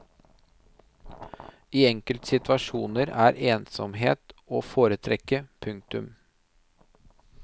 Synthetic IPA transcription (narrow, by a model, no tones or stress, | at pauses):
iːɛŋkəlt̪sɪt̪ʋɑʃuːnəɾæːɾeːnsɔ̰mɦḛːt̪oːfoːɾət̪ʰɾɛkəpʰʉŋk̚t̪ʉm